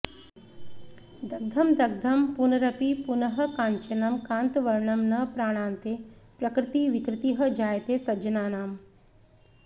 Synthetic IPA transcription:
d̪ɐɡ̚d̪ʱɐmd̪ɐɡ̚d̪ʱɐmpunɐɾɐpipunɐɦɐ̆kãːɲt͡ʃɐnɐmkãːnt̪ʋɐɾɳɐmnɐpɾaːɽ̃aːnt̪epɾɐkɾɪt̪iʋikɾɪt̪iɦɐ̆d͡ʒaːjt̪eːsɐd͡ʒɐnaːnaːm

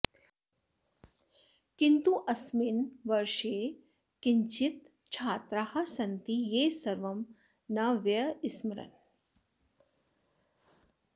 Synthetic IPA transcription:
kint̪uʔɐsminʋɐɾʂeː | kiɲt͡ʃit̪ | t͡ʃʰaːt̪ɾahɐ̆sɐnt̪ijeːsɐɾʋɐm | nɐʋjɐismɐɾɐ̰n

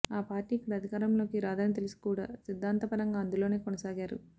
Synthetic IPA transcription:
aːpaːɾʈiːikːɐɽɐɐd̪ʱikaːɾɐmlo̞ːkiɾaːd̪aːnit̪̬elisi̥kuːɽa̰ːsid̪ʱːaːnt̪ɐpɐɾɐŋɡaːɐnd̪ulo̞ːne̞ːkɔnɐsaːɡaːɾṵ

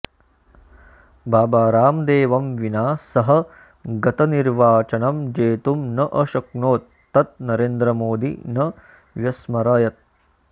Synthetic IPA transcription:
bʱaːbaːɾaːmd̪eːʋɐmʋinaːsɐɦɐ̆ | ɡɐt̪ɐniɾʋaːt͡ʃɐnɐmd͡ʒeːt̪umnɐʔɐʃɐknoːt̪ːɐt̪̚nɐɾeːnd̪ɾɐmoːd̪ḭnɐ | ʋjɐsmɐɾaːjɐt̪̚

